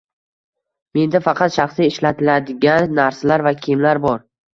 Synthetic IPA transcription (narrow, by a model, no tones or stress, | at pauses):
me̞nd̪afɑqʰɑt̪ʃɑχsiɪʃlat̪ʰɪlad̪ɪɡʲanːaɾsalaɾvakʲʰɪmlaɾbɒɾ